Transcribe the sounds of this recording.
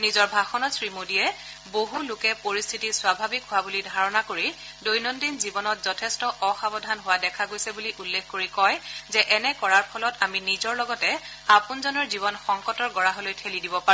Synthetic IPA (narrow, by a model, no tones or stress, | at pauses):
nizɔɹbʱaxɔnɔtsɹimodiɛ | boɦulʊkɛpoɹistʰitiswabʱabikɦʊwabulidʱaɹɔnakoɹi | dojnɔndinzibɔnɔtzɔtʰɛstɔʔɔxabɔdʱanɦʊwadɛkʰaɡojsɛbuliʔulːekʰkoɹikɔjzɛʔɛnɛkɔɹaɹpʰɔlɔtaminizɔɹlɔɡɔtɛ | apunzɔnɔɹziβɔnxɔŋkɔtɔɹɡɔɹaɦolojtʰelidibɔpaɹ̃